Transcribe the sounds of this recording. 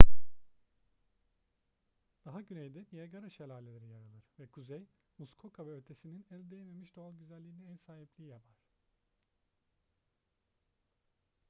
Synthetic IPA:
d̪̥aɦaɟynejd̪ɛnijaɡaɾaʃelʲaːlʲelʲe̞ɾijaɾalˠɯɾ̥vɛkʰuzɛj | muskʰo̞kʰavɛøt̪ʰe̞sininælʲd̪ejeme̞miʃd̪oalˠɟyzælʲːiːniɛnsaːɦiplʲijijapʰaɾ̝̥

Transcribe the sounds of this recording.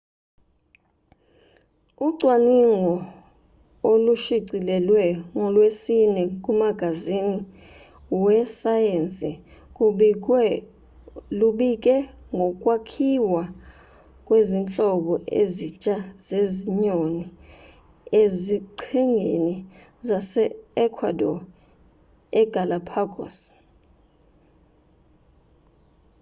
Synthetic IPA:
uǀʱwaniŋɔ | oluʃiǀilɛlwɛŋɔlwesinɛk̬ʼumaɡ̥ʱazini | wɛsajent͡sʼi | luɓik̬ʼɛŋʱɔk̬ʼwakʰiwa | kʼwezint͡ɬʼɔɓɔʔḛzit͡ʃʼaz̥eziɲoni | eziǃʰiŋʱeni | zasɛɛkʰwadɔ | ɛɡ̥ʱalapʰaɡʱɔ̰s

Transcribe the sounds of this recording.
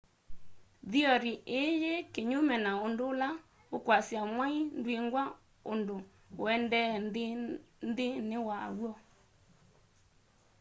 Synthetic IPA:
ðiɔɾiʔejekeɲomɛnaondʊla | okwasjamwaindwiŋɡwa | ondo | ɛndɛndndɪnɪwa̰wwɔ

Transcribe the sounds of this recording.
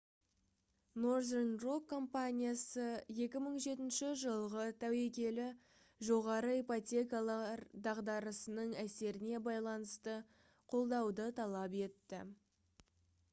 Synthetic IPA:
norzenro̞kʰːo̞mpanʲijasəje̞kʲɪməɴʒe̞t̪ɪnʃɪʒəlˠʁət̪ʰæwe̞kʲe̞lɪ | ʒo̞ʁɑɾəipot̪ʲe̞kɑlˠɑɾd̪ɑʁd̪ɑɾəsənəɴæse̞ɾɪne̞bɑjlˠɑnəst̪ə | qʰo̞lˠd̪ɑwd̪ət̪ʰɑlˠɑpe̞t̪ːɪ̰

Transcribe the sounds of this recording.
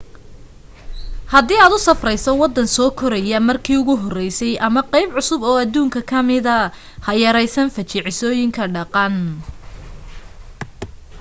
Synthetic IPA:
hɐd̪iːaːd̪ʊsɐfrɛjsɔwɑd̪ːɐnsɔːkʰɔɾɛjɐmɐrkʰiːʊɣʊɦɔrɛjsɛjʔɐmɐqɑjbʕʊsʊbɔːɐðuːŋkʰɐkʰɐmɪðɐ | hɐjɐɾɛjsɐnfɐt͡ʃɪʕɪsɔːjɪŋkʰɐɖɑqɑn

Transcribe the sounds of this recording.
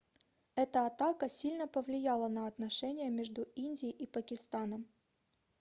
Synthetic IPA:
ɛt̪əɐt̪akəsʲilʲnəpəvlʲɪjalˠənɐɐt̪nɐʂɛnʲɪjəmʲeʐd̪ʊinʲdʲɪjːʔipəkʲɪst̪anəm

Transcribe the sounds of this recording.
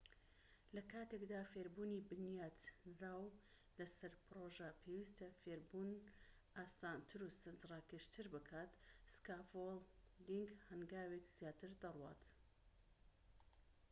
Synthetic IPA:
lɐkʰaːt̪ekd̪aːfeːɾbuːnibɨnjaːd̪raːw | lɐsɐɾpʰɨɾoːʒapʰewist̪ɐfeːɾbuːn | ʔaːsaːnt̪ʰɨɾusɨnzrɑːkɨʃt̪ʰɨɾbɨkʰaːt̪skaːfolˠd̪iŋɡhɐŋɡaːwekz̥jaːt̪ʰɨɾd̪ɐrwa̰ːt̪

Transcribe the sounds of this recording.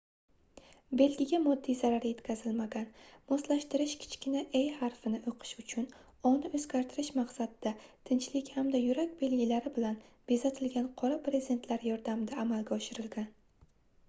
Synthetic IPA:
be̞lɡʲɪɡʲamɒd̪ːijzaɾaɾje̞t̪kʲʰazɪlmaɡʲanmɒslaʃt̪ɪɾɪʃkʲʰɪ̥t͡ʃkʲɪnaʔejhaɾfɪnɪʔoqʰɨ̥ʃʊt͡ʃʰʊn | ɒnɪɵzɡʲaɾt̪ʰɪɾɪʃmaqsad̪ɪd̪at̪ʰɪnt͡ʃlɪkʲhamd̪ajʊɾakʲbe̞lɡʲɪlaɾɪbɪlanbezat̪ʰɪlɡʲanqʰɒɾapɾezʲd̪e̞nt̪ʰlaɾjɒɾd̪amɪd̪aːmalɡʲaɒʃɪɾɪlɡʲan

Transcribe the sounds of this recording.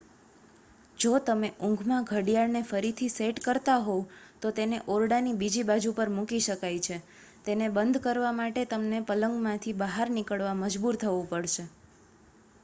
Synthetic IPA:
d͡ʒot̪əmeʔũŋɡʱmãɡʱəɽjaɭnefəɾit̪ʰiseʈkəɾt̪aɦot̪ot̪eneʔoɾɽanibid͡ʒibad͡ʒupəɾmũkiʃəkajt͡ʃʰe | t̪enebənd̪ʱkəɾʋamaʈet̪əmnepələŋɡmãt̪ʰibəɦaɾnikəɭʋaməd͡ʒbuɾt̪ʰəʋũpəɽʃe

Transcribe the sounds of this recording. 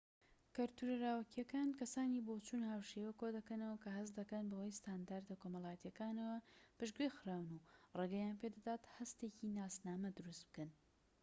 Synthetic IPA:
kɐɾt̪uɾɐɾaːwɐkijɐkaːnkɐsaːniːbot͡ʃuːnhaːwʃewɐkod̪ɐkɐnɐwɐkɐɦɐsd̪ɐkɐnbɐwɐjst̪and̪aːɾd̪ɐkoːmɐlˠaːjɐt̪jɐkaːnɐwɐpɨʒɡɾixɨɾaːwnureɡɐjaːnped̪ɐd̪aːt̪hɐst̪ecinaːsnaːmɐd̪ɨɾust̪̚b̥ɨ̥kɐn

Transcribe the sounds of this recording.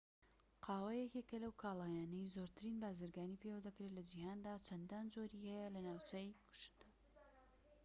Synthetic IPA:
qʰɑːwajɛkekːɐlɐwkʰaːlˠaːjaːnɐjzoɾt̪ʰɨɾinbaːzɨɾɡaːnipʰewɐd̪ɐkɾelɐd͡ʒihaːnd̪aːt͡ʃʰɐnd̪aːnd͡ʒoɾihɛjɐlɐnaːwt͡ʃɐjkʰu̥ʃɨ̥nda

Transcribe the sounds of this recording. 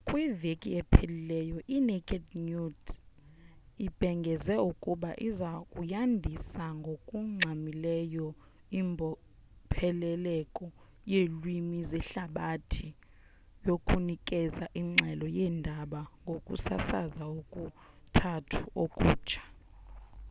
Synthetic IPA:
kʼwivekʼiɛpʰelilɛjɔʔinɛkʼɛdnut | ib̥ʱɛŋɡʱɛzɛukʼuɓaʔizakʼujandʱisaŋɡʱokʼuŋ͡ǁʱamilɛjɔ | imbʱɔ | pʰɛlɛlɛkʼɔ | jelwimizɛɬaɓatʰi | jokʼunikʼɛzaʔiŋ͡ǁʱɛlɔjɛːndʱaɓaŋɡʱokʼṵsa̰sa̰zaokʼu | tʰatʰuokʼuːt͡ʃʰḁ

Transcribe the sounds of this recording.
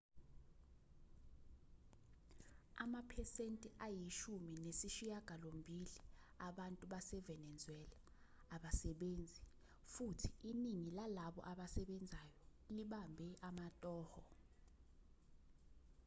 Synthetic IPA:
amapʰɛsentʼiʔajiʃuminesiʃijaɡ̥ʱalombʱili | aɓantʼuɓasɛvɛnɛnd͡zʱwɛlaː | ɓasɛɓeːnd͡zʱi | futʰi̥iniŋilalaɓɔ̰ʔaɓasɛɓɛnd͡zʱajɔliɓambʱɛʔamatʼɔːhɔ

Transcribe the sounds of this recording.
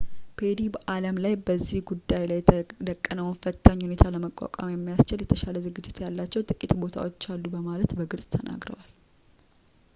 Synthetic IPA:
pʰe̞d̪ibəʔaləmlajbəzːihɡud̪ːajlajd̪əkʼːənəwfət̪ʰːəɲːhune̞t̪ʰaləməkʼːa̰kʷʼa̰mjɛmːijast͡ʃɪljɛt̪ʰəʃaləzɨɡɨd͡ʒːɪt̪jalːat͡ʃːɛwt̪ʼɨkʼːit̪bo̞t̪ʰa̰wo̞t͡ʃːalːubəmalət̪bəɡɨlsʼt̪ʰənʔa̰ɡɾə̰wal

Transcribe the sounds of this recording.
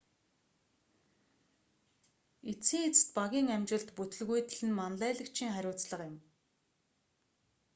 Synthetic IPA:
et͡siːŋet͡sɘ̥̆t̪̚paɣʲiːŋæmt͡ɕɪ̆ɮt̪put̪ɵ̆ɮɣujt̪ʰĭɮɘ̆nmanɮæːɮə̆kt͡ɕʰiːŋχæɾʲʊːt͡sɮə̆qɪ̆m

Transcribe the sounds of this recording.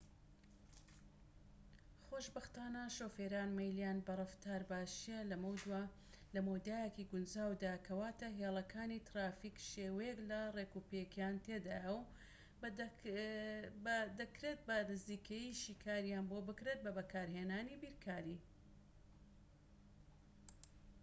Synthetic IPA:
χoʃbɐxt̪aːnɐʃoːfeːɾaːnmɐjlijaːnbɐrˤɐft̪aːɾbaːʃijɛlɐmw̪w | lɐmowd̪aːjekiɡʊnd͡ʒaːwd̪akʰɐwaːt̪ɐɦeːlˠɐkʰaːnit̪ɾaːfiːkʃeːwejeklɐrekupekʰjaːnt̪ʰeːd̪aːjɐw | d̪ɐkɾet̪̚bɐnɨziːkʰɐjiʃiːkʰaːɾjaːnboːbɨkɾet̪̚bɐbɐkʰaːɾheːnaːnibiːɾkʰaːɾi

